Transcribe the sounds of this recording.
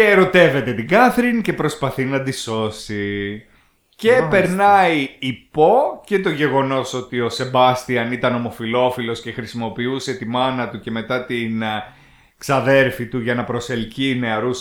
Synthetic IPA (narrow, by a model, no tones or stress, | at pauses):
eɾo̞t̪e̞ve̞t̪e̞t̪iɡɐθɾince̞pɾo̞spɐθinɐd̪iso̞si | ce̞pe̞ɾnɐiipo̞ce̞t̪o̞ʝe̞ɣo̞no̞so̞t̪io̞se̞bɐst̪iɐnit̪ɐno̞mo̞filo̞filo̞sce̞xɾisimo̞piuse̞t̪imɐnɐt̪uce̞me̞t̪ɐt̪in | ksɐðe̞ɾfit̪uʝɐnɐpɾo̞se̞lcine̞ɐɾus